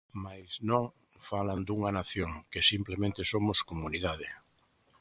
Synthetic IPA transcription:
majznõŋ | faland̪uŋanaθjoŋkesimplemẽnt̪esomoskomuniðað̞e

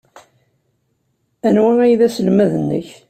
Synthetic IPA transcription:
ænwææjðæsəlmæðənːə̰ç

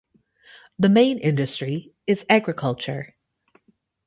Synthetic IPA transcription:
ðɨmẽɪ̃nʔɪ̃ndɨstɹ̥i | ɨzæɡɹɨkʰʌlˠt͡ʃə̰˞

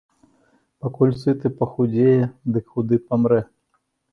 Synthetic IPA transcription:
pɐkulʲsɨt̪ɨpɐxud͡zʲejɛd̪ɨkxʊd̪ɨpɐmɾɛ

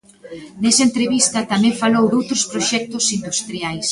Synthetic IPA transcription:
nɛsɐent̪ɾeβist̪ɐt̪amɛ̃ɱfalowðowt̪ɾʊspɾoʃɛk̚t̪ʊsind̪ust̪ɾiajs

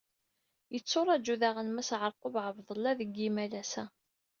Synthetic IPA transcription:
jət͡sːoɾˤɑd͡ʒuðaʁənmæsʕəɾˤqovʕəvðˤəlːæðəɡimælæsæ

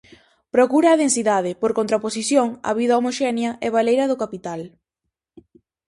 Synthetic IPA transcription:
pɾokuɾɐːðensiðaðɪpoɾkont̪ɾaposiθjoŋɐ̰βiðɐomoʃɛnjɐʔɛβalejɾɐðʊkapit̪al

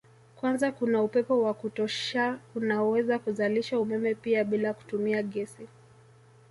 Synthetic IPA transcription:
kwanzakunaupɛpɔwakutɔʃaunaɔwɛzakuzaliʃaumɛmɛpiaɓilaku̥tumiaɠɛsi

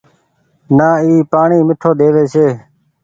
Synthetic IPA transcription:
naːiːpaːɳiːmɪʈʰoːd̪eːʋeːseː

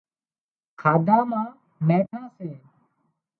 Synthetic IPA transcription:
kʰaːd̪aːmãː | mɛ̃ːʈʰãːseː

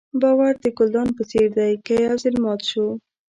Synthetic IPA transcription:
bɑwaɾd̪əkʊld̪ɑnpət͡seɾd̪ajkajazɪlmɑt̪ʃo

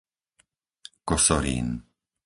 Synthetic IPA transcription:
kɔsɔɾḭn

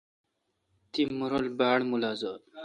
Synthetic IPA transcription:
t̪imuɾolbaːɽmulaːzɐ

